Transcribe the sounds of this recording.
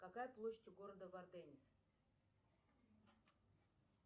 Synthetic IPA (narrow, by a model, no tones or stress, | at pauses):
kakajplˠoɕɪ̥tʲɡoɾəd̪əvard̪ɛnʲɪs